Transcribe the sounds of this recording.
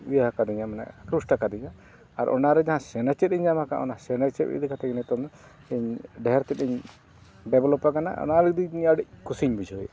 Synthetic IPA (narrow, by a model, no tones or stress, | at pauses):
ijaɦakad̪iɲamana̰kɾusʈakad̪iɲa | aɾʔɔ̰naɾɛd͡ʒaɦãsɛnat͡ʃɛt̪iɲd͡ʒamaka̰ʔɔ̰nasɛnat͡ʃɛt̪̚ḭd̪ikat̪ɛɡɛnɛt̪ɔmd̪ɔ | iɲɖɛɦɛɾt̪ɛt̪iɲ | ɖɛblɔpakana̰ɔ̰naɾd̪iɲaɖic̚kusiɲbid͡ʒɔj